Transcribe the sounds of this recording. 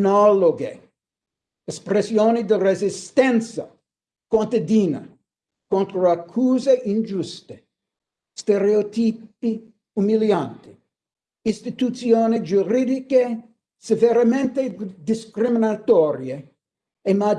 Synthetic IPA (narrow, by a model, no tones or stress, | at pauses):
nɔloɡḛ | espɾesjoːnid̪irezist̪ɛnt̪sa | kwont̪ad̪iːna̰ | kont̪ɾoakʰːuːzeʔind͡ʒust̪e̥ | st̪eɾeot̪iːpi | umiljant̪i | inst̪it̪ut̪sjoːnid͡ʒuɾid̪ike | seveɾamẽnt̪ed̪iskɾiminat̪ɔɾje | ema